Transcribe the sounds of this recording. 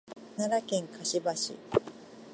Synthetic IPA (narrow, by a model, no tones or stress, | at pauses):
naɾakʲẽŋkʰaɕibaɕḭ